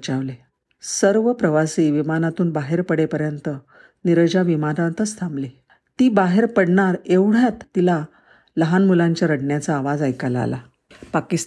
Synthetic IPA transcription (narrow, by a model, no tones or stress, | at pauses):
t͡ɕaʋle | səɾʋəpɾəʋasiːʋimanat̪uːnbaɦeɾpəɽepəɾjənt̪ə | niɾəd͡ʑaʋimanãt̪ət͡st̪ʰãmbli | t̪iːbaɦeɾpəɽɳaɾeʋɽ̤jat̪ːila | ləɦanmulaɲt͡ɕjaɾəɽɳjat͡saːʋad͡zajkalaa̰la̰ | pakis